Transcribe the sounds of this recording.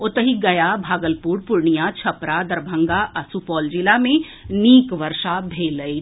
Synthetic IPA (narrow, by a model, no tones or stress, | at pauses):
ot̪əɦiɡɐjabʱaːɡəlpuːɾpʊɾɳijat͡ʃʰɐpɾad̪ɐɾbʱə̃ŋɡaʔɐsupɔːld͡ʒɪlamẽ | niːkʋɐɾʃabʱeːləi